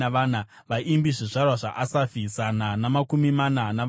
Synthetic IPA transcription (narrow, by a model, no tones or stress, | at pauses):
aʋaːna | ʋaʔimbiʐiʐarwaʐa̰ʔasafisananamakumimanana